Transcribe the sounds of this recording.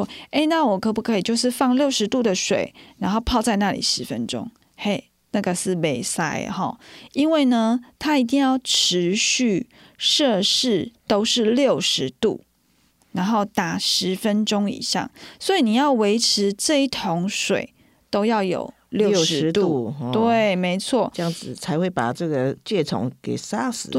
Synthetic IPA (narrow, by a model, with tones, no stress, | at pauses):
e˥˩ɪna˥˩˨wɔ˨˩kʰɤ˧˥pu˧˩kʰɤ˧˦˥i˨˩t͡ɕjo˥˧ʊʂ̬ɻ̩˥˧fɑ˥˧ŋljo˥˩ʊʂɻ̩˧˥t̪u˥˩d̪ə˨ʂwḛ˨˩ɪna˧˥nxo˥˧pʰɑ˥˧ʊt͡sa˥˧ɪna˥˩lḭ˨˩ʂɻ̩˧˥fə˦nʈ͡ʂo̰˥ŋ | e˥˩ɪ | na˥˩ɡə˨ʂɻ̩˥˩me˨˩ɪsa̰˥ɪhɔ̰˨˩i˦nwe˥˩ɪnə˨t̪ʰa˥i˧˥t̪̬i˥˧ŋjɑ˥˩ʊʈ͡ʂ̩ʰ˧˦ɕy˥˩ | ʂɤ˥˧ʂɻ̩˥˩t̪o˥ʊʂɻ̩˥˩˨ljo˥˨˩ʊʂɻ̩˧˦t̪ṵ˥˩ | na˧˦˥nxo˥˩ʊt̪a˨˩ʂɻ̩˧˥˦fə˦nʈ͡ʂʊ˥ŋḭ˨˩ɕjɑ̰˥˩ŋswɔ˧˥i˨˩ni˨˩jɑ˥˩ʊwe˧˥ɪʈ͡ʂʰɻ̩˧˥ʈ͡ʂɤ˥˧i˥˩t̪ʰo˧˥ŋʂwḛ˨˩ɪ | t̪o˥ʊjɑ˥˩ʊjo̰˨˩ʊ | ljo˥˨ʊ˨ʂt̪u˥˨˥t̪wwe˥˨˩ɪme˧˥ɪt͡sʰwɔ˥˩˦jɑ˥˩ŋd͡z̩˨˩t͡sʰa˧˥ɪxwe˥˩ɪpa̰˨˩ʈ͡ʂɤ˥˩ɡə˩t͡ɕɥɛ˥˩t̪ʰʊ̰˨˦ŋkḛ˨˩ɪsa˦˥s̩˨